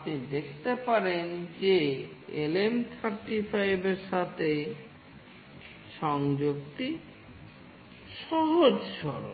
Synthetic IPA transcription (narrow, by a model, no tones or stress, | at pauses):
apnid̪ekʰt̪epaɾend͡ʑeelemt̪ʰaɾʈifajbeɾʃat̪ʰe | ʃɔŋd͡ʑok̚t̪i | ʃɔɦod͡ʑʃɔɾo